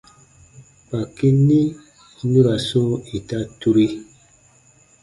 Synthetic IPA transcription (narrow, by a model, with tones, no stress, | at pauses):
pa˨ki˦ni˦ | ni˦ɡa˨so˦i˨ta˦tu˦ɾi˦